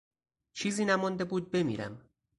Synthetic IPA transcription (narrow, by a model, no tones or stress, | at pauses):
t͡ʃʰiːziːnæmɔnd̪e̞buːd̪̚be̞mḭːɾæ̰m